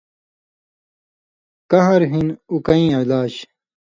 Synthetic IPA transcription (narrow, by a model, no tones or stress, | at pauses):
kɐɦɐɾɦinukɐĩːɐlaːɕ